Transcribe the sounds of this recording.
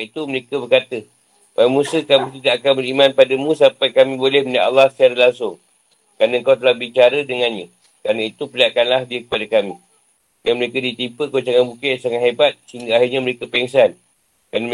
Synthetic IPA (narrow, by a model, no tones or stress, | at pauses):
it̪uməɾekəbərkat̪ə | pamũsəkamĩt̪idaʔakanbəɾimãnpadamũsampajkamĩbolɛhmənaʔalːaht̪aɾəlaŋsʊŋ | kɾanaəŋkawt̪əlahbit͡ʃaɾədəŋanɲã | kɾanait̪upəliaʔkanlahdiəkə̥padakamĩ | jaŋməɾekadit̪ipəkot͡ʃaŋabukeʔsaŋat̪hebat̪̚səɦiŋɡaahirɲaməɾekəpɛiŋsan | kan